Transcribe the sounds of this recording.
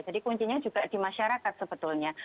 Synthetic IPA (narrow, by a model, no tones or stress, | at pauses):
d͡ʒadikuɲt͡ʃiɲad͡ʒuɡadimaʃaɾakat̪̚səbət̪ʊlɲa